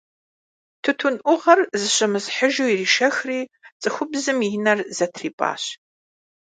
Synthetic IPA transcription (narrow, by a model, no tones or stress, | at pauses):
tʰɨtʰʊnʔʷʊʁɐrzɨɕɐmɨsħəʒuːiriːʃɐxriːt͡sʼɨxʷʊbzɨminɐrzɐtʰriːpʼa̰ːɕ